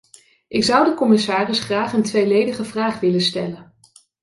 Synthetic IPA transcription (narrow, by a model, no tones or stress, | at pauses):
ʔɪksʌwdəkɔmɪsaːrɪsχraːχəntʋejlejdəχəvraːχʋɪlənstɛlən